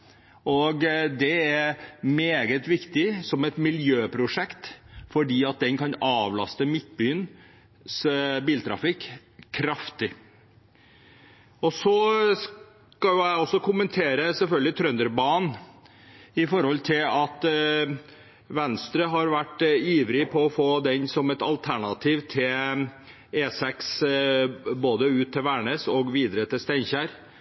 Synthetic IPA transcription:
ɔɡd̪ɛæɾmeːɡət̪ʋɪkt̪ɪsɔmɛt̪mɪljøːpʰɾʊʂɛkt̪fɔɖiːɑt̪̚d̪ɛnkʰɑnɑːʋlɑ̰st̪əmɪt̪̚byːən | sbiːlt̪ʰɾɑ̰fɪkː | kʰːɾɑft̪ɪ | ɔsɔs | kɑjʊæɔsːɔkʰʊmənt̪ʰeːɾəsɛlfœlɡəlɪt̪ʰɾœnd̪əɾbɑːn | ɪfɔɾhɔlt̪ʰɪlɑt̪ | ʋɛnst̪ɾəɦɑɾʋæʈːiːʋɾɪpʰɔɔfoːd̪ɛɲsɔmɛt̪ɑ̰lt̪ʰæɳɑt̪ʰiːʋt̪ʰɪl | eːsɛks | boːd̪əʉːt̪ʰːɪlʋæːɳeːsɔɡʋiːd̪ɾət̪ʰɪlst̪æɪnçæɾ

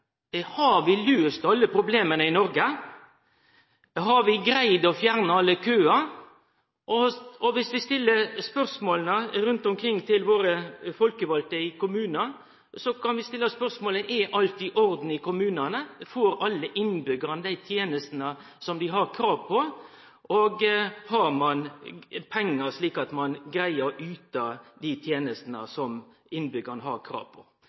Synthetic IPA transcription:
hɑɾʋɪløːst̪ɑlːəpʰɾʊbleːmənəɪnɔɾɡə | ɦɑɾʋɪɡɾæɪd̪ɔfjæɾnəɑlːəkʰøːɑ | ʔɔɔʋɪsʋɪst̪ɪlːəɾspœɾsmoːlnəɾʉnt̪ʊmkʰɾɪŋːt̪ʰɪlʋoːɾəfɔlkəʋɑlt̪əɪkʊmʉːnɑ | sɔkʰɑnʋɪst̪ɪlːəspœɾsmoːləʔɛʔɑlt̪ɪʔɔɾd̪n̩ɪkʰʊmʉːnɑnəfoːɾɑlːəʔɪnːbʏɡəʁnəd̪æɪt̪ʰjeːnəst̪nə | sɔmd̪ɪɦɑɾkʰɾɑːʋpʰɔ | ʔoːɡhɑɾmɑnpʰɛŋːəɾʂɭiːkɑt̪mɑnɡɾæɪəɾʉːt̪ɑd̪ɪt̪ʰjeːnəst̪ənə̰sɔm | ɪnbʏɡəɾnəɦɑɾkʰɾɑ̰ːʋpʰɔ̰

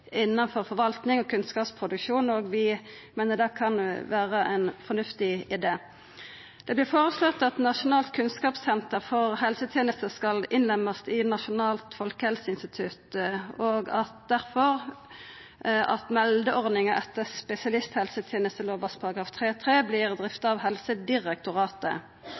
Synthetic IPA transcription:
ɪnːɑnfɔʁfɔɾʋɑlt̪nɪŋɔkʰʉnskɑːpspʰʁʊd̪ʉkʃuːnɔɡʋɪ | meːnəd̪ɛkʰɑnʋæːʁəʔæ̰ɪnfɔnʉft̪ɪɪd̪eː | d̪̥ɛblɪfoːʁəslɔt̪ːɑt̪nɑʂʊnɑːlt̪̚kʰʉnskɑːpsɛnt̪əʁfɔʁhɛlsət̪ʰjɛːnəst̪əskɑlɪnlɛmɑst̪ɪnɑʃʊnɑːlt̪fɔlkəhɛlsəɪnst̪ɪt̪ʰʉt̪oːɡɑt̪d̪æʁfɔʁ | ʔɑ̰t̪mɛld̪əʔɔʁdnɪŋəʔɛt̪ːəspɛsɪɑlɪst̪hɛlsət̪ʰjɛːnəst̪əloːʋɑspʰɑɾʁɑɡɾɑːft̪ʰʁeːt̪ʰʁeːblɪʁd̪ʁɪft̪ɑʋɦɛlsəd̪ɪʁɛk̚t̪ʊʁɑːt̪ə̰

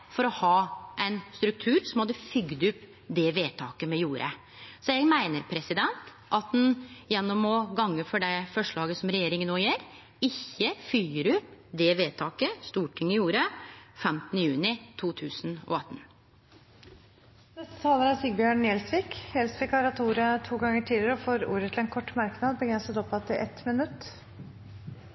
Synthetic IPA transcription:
fɔɾɔhɑːʔæɪnst̪ɾʉk̚t̪ʰʉːɾsɔmhɑd̪ːəfʏɡd̪ʉp | d̪ɛʋeːt̪ʰɑːkəmɛjuːɾʔə̰ | sɔjɛɡmæɪnəɾpʰɾɛsɪd̪ɛnt̪ | ʔɑt̪̚d̪njɛnːɔmɔɡɑŋːəfɔɖɛfɔʂɭɑːɡəsɔmɾɛjeːɾɪŋənːoːjeːɾ | ɪçːəfyːəɾʉpd̪ɛʋeːt̪ʰɑːkəst̪uːʈʰɪŋːɪjuːɾəfɛmt̪nəjʉːnɪt̪ʰuːt̪ʰʉːsnɔ̰ɑt̪ːn | nɛst̪ə̥t̪ʰɑːləɾɑsiːɡbjøːɳjɛlsʋiːkjɛlsʋɪːkɑɾɑt̪ːuːɾət̪ʰuːɡɑŋːəʈʰiːd̪əɾəɔfoːɾṵːɾət̪ʰɪlɛnkʰɔʈːmɑɾknɑd̪bəɡɾɛnsət̪ɔpːɑt̪ɪʔɛt̪mɪnʉt̪ː

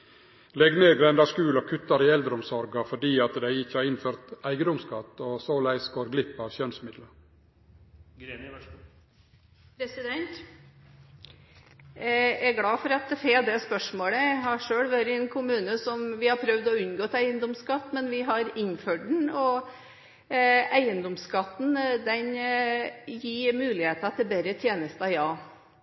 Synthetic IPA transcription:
lɛɡneːɡ̪ɾɛnd̪ɑʂkʉːlɔkʰʉt̪ːɑɾɪɛld̪ɾəɔmsɔɾɡɑfɔɖiːɑt̪d̪æɪɪçːəæɾɪnføːɾt̪æɪɡəd̪ɔmskɑt̪ːɔsoːlæɪsɡoːɾɡlɪpːɑʋɕœnsmɪd̪lə | pʰɾɛsɪd̪ɛnt̪ | æɡɽɑːfɔɾɑt̪̚feːd̪ɛspœʂmoːɽəæɪɦɑʂøːɽʋøɾəɛnkʰʊmʉːnəsɔmʋɪhɑɾpʰɾœʋd̪ɔʉnɡoːt̪ʰæɪənd̪ɔmskɑt̪ːmɛnʋɪɦɑɾɪnføɖɳ̩ɔ | ʔæɪənd̪ɔmskɑt̪ːn̩d̪ɛn | jiːɾmʉːlɪheːt̪ɑt̪̚ːɪbɛɾət̪ʰjeːnəst̪ɑjɑː

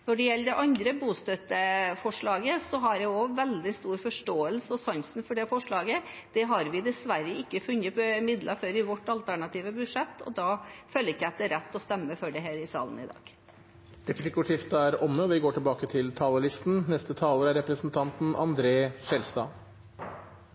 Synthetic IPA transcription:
nɔɖɛjɛlːəd̪ɛʔɑnd̪ɾəbuːst̪œt̪ːəfɔʂɭɑːɡəsɔɦɑɖɛɔʋɛld̪ɪst̪uːɾfɔʂʈoːəlsəɔsɑŋsn̩fɔɖɛfɔʂɭɑːɡəd̪̥ɛɦɑɾʋɪd̪ɛsʋæɾːəɪkːəfʉnːət̪ɔɪmɪd̪lʔɑfɔɾɪʋɔʈːɑlt̪ʰæɳɑt̪iːʋəbʉʂɛt̪ːɔ̰d̪ɑːføːləɾɪkːæt̪əɾɛt̪ːɔst̪ɛmːəfɔɖɛɦeːɾɪsɑ̰ːlənɪ̰d̪ɑ̰ːɡ̥ | ɾɛplɪkʊʂɪft̪æɾɔnːəɔʋɪɡoːʈʰɪlbɑːkət̪ʰɪlt̪ʰɑːləlɪst̪n̩nɛst̪ət̪ʰɑːləɾæɾɛpɾəsnt̪ʰɑnt̪n̩ɑ̰nd̪ɾeːʃɛlst̪ɑ̰ː

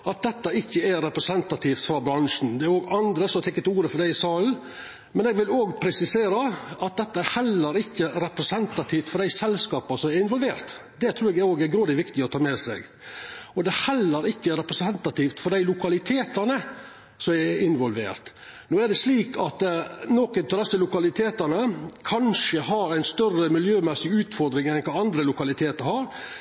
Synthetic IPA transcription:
ɑt̪̚d̪ɛt̪ːɑɪçːəæɾɛpɾɛsɛnt̪ɑt̪ʰiːft̪fɾɑbɾɑnʂn̩d̪ɛæɾoːɡɑnd̪ɾəsɔmt̪ʰɛkːət̪uːɾəfɔɾɖæɪsɑːln | mɛnɛɡʋɪloːɡpʰɾɛsɪseːɾəɑt̪̚d̪ɛt̪ːəæɾhɛlːəɾɪçːəɾɛpɾɛsɛnt̪ɑt̪ʰiːft̪fɔɾɖ̪æɪsɛlskɑːpɑsɔmɛɾɪnʋɔlʋeːɾt̪ | d̪ɛt̪ʰɾʉːɾɛɡ̪æoːɡæɾɡɾoːd̪ɪʋɪkt̪ɪɔt̪ʰɑːmɛːsɛ̰ɡ | ɔd̪ɛhɛlːəɾɪçːəɾɛpɾɛsɛnt̪ɑt̪iːft̪fɔɖæɪlʊkɑlɪt̪ʰeːt̪ənə | sɔmɛɪnʋɔlʋḛːɾt̪ | noːæɖɛsliːkʰɑt̪noːkənt̪ɔd̪ɛsːəlʊkɑlɪt̪ʰeːt̪ənəkʰɑnʂəhɑɾæɪnst̪œrəmɪljøːmɛsɪʉːt̪fɔɾd̪ɾɪŋɛnɛkʰɑːɑnd̪ɾəlʊkɑlɪt̪ʰeːt̪əɾhɑɾ

